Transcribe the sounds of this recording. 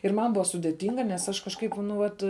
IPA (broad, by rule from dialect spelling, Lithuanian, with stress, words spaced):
ɪr ˈmɐn ˈbʊɐ sʊdʲeːˈtʲɪŋɡɐ nʲɛs ˈɐʃ kɐʃˈkɐɪp nʊ ˈʋɐt